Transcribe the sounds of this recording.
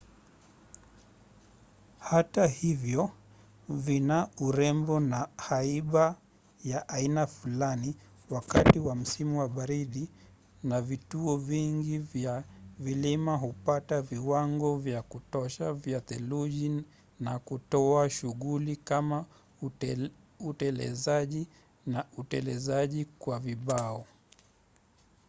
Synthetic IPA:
hatahivjɔ | vinauɾɛmbɔnahaiɓa | jaʔainafulani | wakatiwam̩simuwaɓaɾiɗi | navituɔviŋɡivjavilimaɦupataviwaŋɡɔvjakutɔʃavjatɛluʄi | nakutɔaʃuɣulikama | utɛlɛ̰zaʄi | nautɛlɛ̰zaʄikwaviɓaɔ

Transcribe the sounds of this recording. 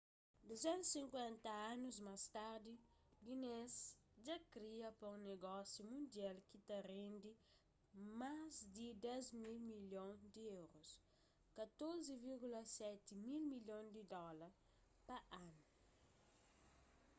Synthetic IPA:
d̪uzɛ̃nt̪sĩŋkwɛ̃nt̪ɐãnuzmast̪aɾd̪i | ɡines | d͡ʒakɾiɐpɐũŋneɡɔsjumũnd̪jalkit̪ɐrẽnd̪i | mazd̪id̪ɛzmilmiljõŋd̪iewɾos | kɐt̪oɾziviɾɡulɐsɛt̪imilmiljõnd̪id̪ɔlɐɾ | pɐʔãnu

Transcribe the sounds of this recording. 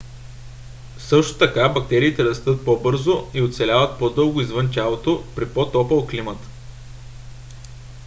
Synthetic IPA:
sɤʃt̪o̥t̪ɐkabɐk̚t̪ɛɾiːt̪ɛɾɐst̪ɤt̪̚pɔbɤɾzoiot̪t̪sɛlʲavət̪̚pɔd̪ɤlˠɡʊizvɤnt̪ʲalˠot̪opɾipɔt̪ɔpəlˠklimət̪

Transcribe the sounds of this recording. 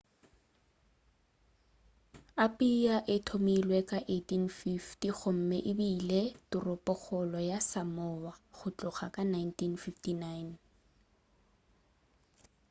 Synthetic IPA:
apiaʔɪtʰomilwɛkaʔetinfiftiχʊm̩mɛʔɪbiːletʊrʊpɔχɔlɔjasamɔwaχʊt͡ɬʼʊχakʼanajntʰinfiftinajn

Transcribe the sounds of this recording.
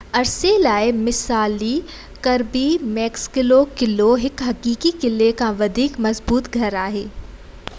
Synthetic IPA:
ɐɾselaːɪmɪsaːli | kɐɾbimɛːkskɪlokɪloɦɪkɦɐkiːkikɪlekãʋɐd̪ʱiːkmɐzbuːt̪ɡʱɐɾaːɦeː

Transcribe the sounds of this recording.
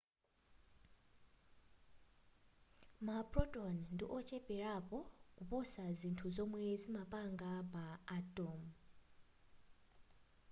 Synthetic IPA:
mapʼɾɔtʼɔnndḭʔɔt͡ʃʰʼɛpʼɛɾapʼɔkupʼusazintʰuzɔmwɛzimapʼaŋɡabaːtʼɔm

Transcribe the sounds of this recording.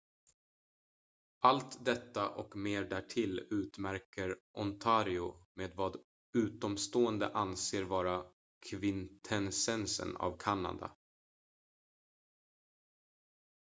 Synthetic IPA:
ʔalt̪d̪ɛt̪ːaʔɔkmeːɖæʈʰɪlʉ̟ːt̪mæɾkəɾʔɔnt̪ʰaːɾɪʊmeːd̪vɑːd̪ | ʉ̟ːt̪ɔmst̪oːənd̪ə̰ʔanseːɾvɑːɾa | kʰvɪnt̪ʰɛnsɛnsə̰na̰vkʰanːa̰d̪a̰

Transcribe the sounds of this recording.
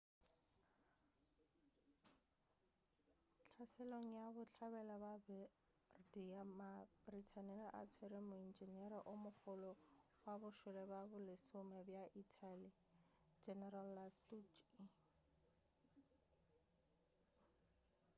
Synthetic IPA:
t͡ɬʰasɛloŋ̩jabʊt͡ɬʰaβɛlababɛ | rdiamabritʰanɛlaʔa̰t͡sʰweɾɪmʊind͡ʒiniɛɾaʔʊmʊfʊlɔ | wabʊʃʊlɛbabʊlɪsʊmɛbjaʔitʰali | d͡ʒɛnɛralːastut͡ʃi

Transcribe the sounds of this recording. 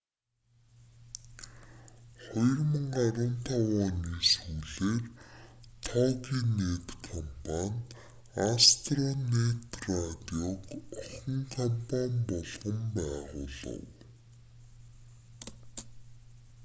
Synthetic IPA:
χɔjɞrmə̆ŋɢaɾʊːnt̪ʰawaːniːsuːɮeːrt̪ʰɔːɣiːneːt̪kʰɔmpʰanʲ | ast̪rɔnet̪rat̪iɔkɔχɞ̆ŋkʰɔmpʰanʲpɔɮʁə̆mpæːʁʊ̰ːɮə̰̆w

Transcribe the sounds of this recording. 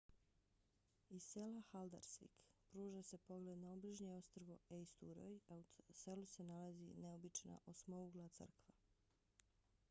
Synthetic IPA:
iselaxald̪a̰ɾsʋḭkpɾuːʒase̞po̞ɡle̞d̪naobliʒɲeo̞st̪r̩ʋoejst̪uɾo̰jause̞luse̞nalazḭneobit͡ʃna̰ʔo̞smouɡlˠat̪sr̩kʋa

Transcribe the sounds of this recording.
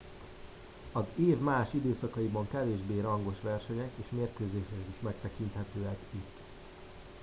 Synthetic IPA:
ɒzeːvmaːʃid̪øːsɒkɒibɒŋkɛveːʒbeːɾɒŋɡo̞ʃʋɛrʃɛɲɛkeːʃmeːrkøːzeːʃɛɛkiʃmɛk̚t̪ɛkint̪hɛt̪øːɛkit̪ː

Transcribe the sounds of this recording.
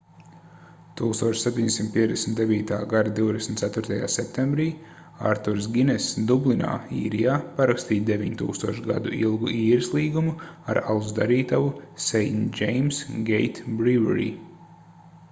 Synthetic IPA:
t̪uːkst̪uɔt͡ʃsepʲt̪ʲiɲd̪ʲesimt̪̚piɛd̪ʲɛsmnt̪d̪eviːt̪a̰ːɡad̪ad̪iwd̪ɛsm̩ʲt̪sæt̪ʊɾt̪aja̰ːsɛp̚t̪embɾiː | a̰ɾt̪uɾs̬ɡʲinɛsd̪ublˠina̰ːḭːɾijaːpaɾakst̪iːt̪d̪evʲiɲt̪ṵːkst̪uɔʃɡa̰d̪uilˠɡuʔiːɾislˠiːɡumuaɾalzd̪aɾiːt̪aʋusɛjnʲd͡ʒejmsɡejt̪bɾivɛ̰ɾḭː

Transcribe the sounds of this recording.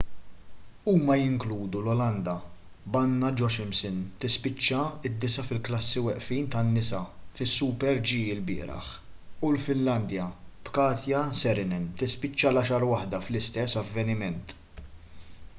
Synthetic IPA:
uːmɐjɪŋkluːd̪ulɔlɐnd̪ɐ | bɐnːɐd͡ʒɔʃɪmsɪnt̪ɪspɪt͡ʃːɐɪd̪ːɪsɐfɪlklɐsːiwɛʔfiːnt̪ɐnːɪsɐfɪsːupɛɾd͡ʒiːɪlbɪ̰ːɾɐ̰ħ | ulfɪnlɐnd̪jɐpkɐːt̪jɐsɛɾɪnɛnt̪ɪspɪt͡ʃːɐlɐʃɐɾwɐħd̪ɐflɪst̪ɛsːɐvːɛnɪmɛnt̪

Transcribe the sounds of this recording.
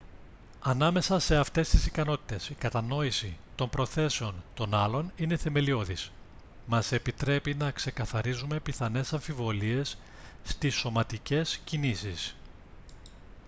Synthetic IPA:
ɐnɐme̞sɐse̞ɐft̪e̞st̪isikɐno̞t̪i̥t̪e̞sikɐt̪ɐno̞isit̪o̞mpɾo̞θe̞se̞o̞nt̪o̞nɐlo̞nine̞θe̞me̞lio̞ðis | mɐse̞pit̪ɾe̞pinɐkse̞kɐθɐɾizume̞piθɐne̞sɐɱfivo̞lie̞sː | t̪iso̞mɐt̪ice̞scinisis

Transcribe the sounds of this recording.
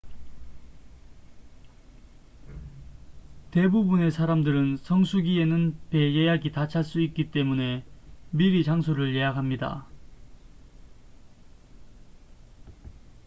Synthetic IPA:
te̞bubune̞sʰaɾamdɯɾɯnsʰʌŋsʰuɡie̞nɯnpe̞jejaɡitat͡ɕʰaɭs͈uik̚k͈it͈e̞mune̞miɾit͡ɕaŋsʰoɾɯɭje̞jakɦamɲida̰

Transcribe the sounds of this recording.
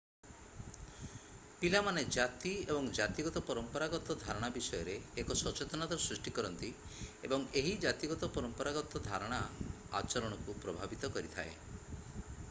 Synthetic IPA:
pilamaned͡ʒat̪iebɔŋd͡ʒat̪iɡɔt̪ɔpɔɾɔmpɔɾaɡɔt̪ɔd̪ʱaɾɔɽ̃abisɔjɔɾeːkɔsɔt͡ʃet̪ɔnad̪ɔɾɔsɾisʈikɔɾɔnt̪i | ebɔŋeɦid͡ʒat̪iɡɔt̪ɔpɔɾɔmpɔɾaɡɔt̪ɔd̪ʱaɾɔɽ̃a | a̰t͡ʃɔɾɔɽ̃ɔkupɾɔbʱabit̪ɔkɔɾit̪ʰa̰ḛ

